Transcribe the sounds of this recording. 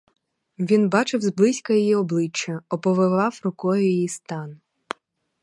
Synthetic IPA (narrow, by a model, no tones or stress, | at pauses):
ʋʲinbɑt͡ʃɪwzblˠɪsʲkɐjijiɔblˠɪt͡ʃːɐɔpɔʋɪʋɑwɾʊkɔjʊjijist̪ɑn